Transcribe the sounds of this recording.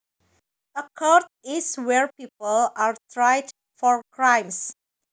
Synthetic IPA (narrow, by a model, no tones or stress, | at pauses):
dəkʰɔɹtɪswɛɹpipəlaɹtɹajd | fɔɹkɹãj̃ms